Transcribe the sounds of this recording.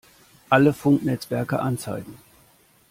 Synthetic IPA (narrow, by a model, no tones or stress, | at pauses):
ʔaləfʊŋknɛt͡sv̥ɛɐkə̰ʔant͡sa̰ɪɡŋ̩